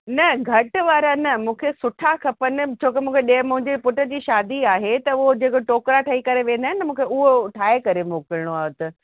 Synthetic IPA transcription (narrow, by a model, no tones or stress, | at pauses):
nɐɡʱɐʈʋaːɾanɐmũːkʰesʊʈʰakʰɐpənɪ̆t͡ɕʰoːkemũːkʰeɗemʊ̃ɦɪ̃ɲd͡ʑepʊʈə̆d͡ʑiːʃaːd̪iaːɦet̪ɐʊɦod͡ʑeːkoʈoːkɾaʈʰaːikɐɾeʋẽːn̆d̪aːɦɪnəmũːkʰeʊɦoʈʰaːekɐɾemoːkəɾɪɽ̃oaːɦʊt̪ɐ